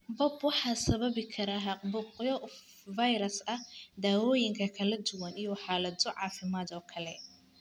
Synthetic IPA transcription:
bɔbwɑħɑːsɐβɐβɪkʰɐɾaːɦɑqbʊqjɔ | vɐjɾɐsɐhd̪aːwɔːjɪŋkʰɐkʰɐlɐd̪ʊwɐnijɔħɑːlɐd̪ɔʕɑ̰ːfɪmaːd̪ɔːkʰɐlɛ̰

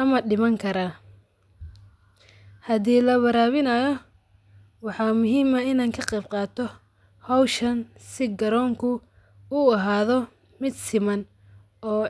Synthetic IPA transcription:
ɐmɐɖɪmɐŋkʰɐɾaː | hɐðiːlɐwɐɾaːβɪnɐjɔ | wɑħɑːmʊɦiːmɐɪnaːŋkʰɐqɛjb̚qɑːt̪ʰɔ | hɐwʃɐnsɪɡɐɾɔːŋkʰʊ | ʊɐɦaːðɔ | mɪd̪sɪmɐn | ɔː

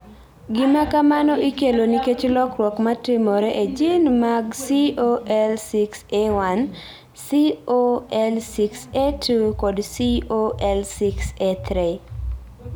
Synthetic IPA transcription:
ɡɪmakamanɔʔikeloniket͡ʃlɔkɾwɔkmatɪmoɾeʔed͡ʒinmaɡsioɛlsiksewan | sioɛlsiksetʰukɔdsioʔɛlsikset̪ʰɾi

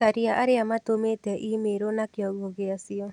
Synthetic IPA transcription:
aɾiaʔaɾeamatometɛʔimeɾonakjɔɣoɣeasiɔ

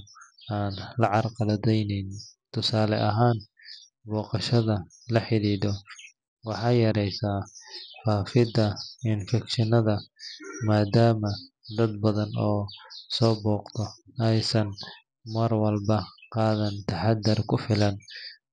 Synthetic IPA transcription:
ʔaːnlɐʕɑrqɑlɐd̪ɛjnɪnt̪ʰʊsaːlɛʔɐɦaːn | bɔːqɑʃɐðɐ | lɐħɪliːd̪ɔ | wɑħɑjɐɾɛjsaːfaːfɪd̪ɐɪnfɛkʃɪnɐðɐmaːd̪aːmɐ | d̪ɐd̪̚bɐðɐnɔːsɔːbɔːqt̪ʰɔ | ɛjsɐn | mɐrwɐlbɐqɑːðɐnt̪ʰɐħɑd̪ːɐrkʰʊfɪlɐn

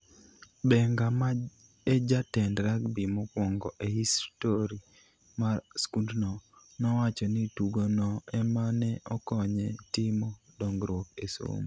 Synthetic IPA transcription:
bɛŋɡama | ed͡ʒatɛndɾaɡbimɔkwɔŋɡɔʔehistoɾi | marskundnɔ | nɔwat͡ʃɔnituɡonɔɛmanɛʔɔkɔɲɛtɪmɔ | dɔŋɡɾwɔkeso̰m

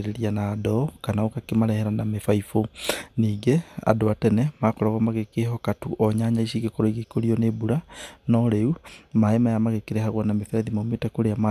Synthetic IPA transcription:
ɾeɾianaːdɔkanaokakemaɾɛhɛɾanamefaifoniːɡea̰doatɛnɛmakɔɾaɣamaɣekeɦɔkatuʔɔɲaɲaiʃiɣekoɾɔiɣekoɾiɔnebuɾanɔɾeumaemajamaɣekeɾehaɣwanamefɛɾaðimometakoɾeama

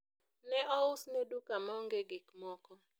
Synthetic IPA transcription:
nɛʔɔʊsnedukamɔŋɡeɡɪkmɔkɔ

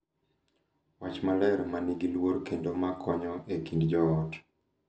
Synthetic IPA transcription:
wat͡ʃmalɛɾmaniɡilwoɾkendomakʰɔɲɔʔekindd͡ʒɔːt

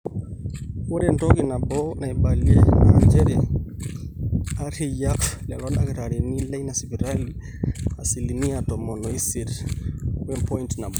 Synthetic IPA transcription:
wuɾɛntɔkinabɔnaibaliɛaɲd͡ʒɛɾɛ | aɾijakflɛlɔnakɾaɾinilɛjnasibiɾali | asiliniatɔmɔnɔisiɾ | ɛmpɔintnabɔ

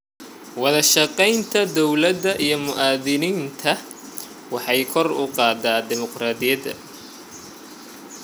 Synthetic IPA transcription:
wɑðɐʃɑqɛjnt̪ʰɐd̪ɔwlɐd̪ɐʔijɞmʊʔaːðɪniːnt̪ʰɐ | wɑħɑjkʰɔrʊqɑːd̪aːd̪ɪmɔqrɑːðɪjɐðɐ̰

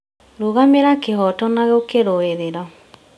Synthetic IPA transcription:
ɾoɣameɾakehɔtɔnaɣɛokeɾoeðeɾɔ

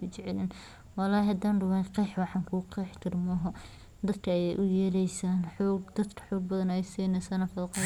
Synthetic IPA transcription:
t͡ʃɛʕɛlɪn | wɑlɑːhɐd̪aːnɖʊwɐqɛjħwɑħɑːŋkʰuːqɛħt̪ʰɪrmɔɦɔ | d̪ɐd̪kʰɐɐjɛ̰jʔʊjɛɾɛjsaːnħɔːɡ̚d̪̥ɐd̪kʰɐ̥ħɔːɡ̚bɐðɐnɛjsiːnɛsaːnɐfɐðqɔ

